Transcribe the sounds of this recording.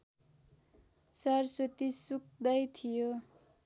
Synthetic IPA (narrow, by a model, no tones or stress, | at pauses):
sʌrsot̪isuk̚d̪ʌjt̪ʰijo